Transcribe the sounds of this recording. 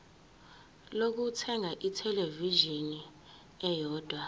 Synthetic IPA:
lok̬utʰɛŋʱaʔitʰɛleviʒini | ɛjɔːd̥ʱwa

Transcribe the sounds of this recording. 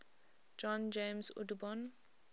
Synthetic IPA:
d͡ʒɔ̃nd͡ʒẽmsṵdubɔ̃n

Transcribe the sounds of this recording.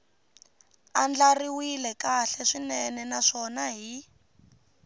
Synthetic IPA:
and͡ɮariwilɛkaɬɛʂinɛnɛnaʂɔnaɦi

